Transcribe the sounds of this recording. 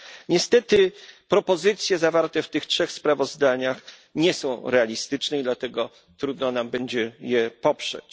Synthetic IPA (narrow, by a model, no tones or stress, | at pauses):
ɲɛst̪ɛt̪ɘpɾɔpɔzɘt̪sʲjɛzavaɾt̪ɛft̪ɘxtʂɛxspɾavɔzd̪aɲax | ɲɛsɔ̃w̃ɾɛalʲist̪ɘt͡ʂnɛid̪lat̪ɛɡɔ | t̪ɾud̪nɔnambɛɲd͡ʑɛjɛpɔpʂɛ̰t͡ɕ